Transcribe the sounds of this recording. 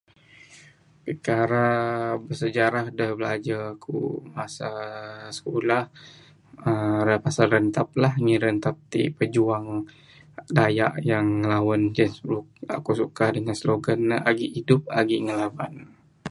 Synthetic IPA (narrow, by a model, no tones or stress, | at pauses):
pəkaɾabərsəd͡ʒaɾahdəhbəlad͡ʒakṵmasasə̥kolah | ərəpasalənt̪ap̚lahŋiɾənt̪ap̚t̪ḭpəd͡ʒuaŋ | dajaʔjaŋːəlawand͡ʒənsua̰kusukadəŋansloɡanːəaɡiʔidʊp̚aɡiŋəlawan